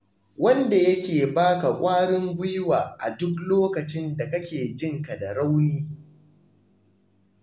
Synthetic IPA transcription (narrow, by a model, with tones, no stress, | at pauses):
wɐ˦nda˨jɐ˦kʲeː˨baː˦ka˨kʷʼaː˦ɽɪ˦mɡʷʊ˦jwaː˨ʔa̰˨dʊ˦kloː˦kɐ˨t͡ʃɪ˦nda˨kɐ˦kʲeː˨d͡ʒɪ˦ŋka˨da˨ɽa˦wniː˦